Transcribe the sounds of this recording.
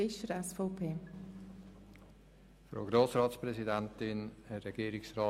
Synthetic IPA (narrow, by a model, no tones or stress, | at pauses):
ɪʃəɾɛsfɔʊpʰeː | fɾo̰ːɡɾoːsɾɑːtspɾɛzidɛntɪnhɛrɛɡ̥iːɾɪksɾɑː